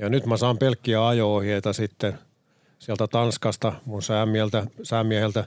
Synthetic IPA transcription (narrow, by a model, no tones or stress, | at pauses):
jɑnyt̪mæsɑːmpelkːiæɑjoːhiet̪ɑsit̪ːen | siælt̪æt̪ɑnskɑst̪ɑmunsæːmmiælt̪æsæːmːiæhelt̪æ